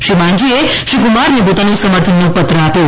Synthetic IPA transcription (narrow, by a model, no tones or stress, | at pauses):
ʃimãnd͡ʒie | ʃikumaɾnep̬ot̪anũsəməɾt̪ʰənːopət̪ɾəapjo